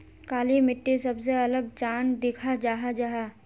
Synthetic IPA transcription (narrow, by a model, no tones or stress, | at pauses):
kaːlimɪʈːesɐbs̬eɐləɡt͡ʃaːnd̪ɪkʰad͡ʒaːɦad͡ʒaɦaː